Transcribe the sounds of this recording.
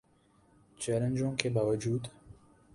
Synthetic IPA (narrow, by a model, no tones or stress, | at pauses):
t͡ʃaːlənd͡ʒõkebaːwad͡ʒuːd̪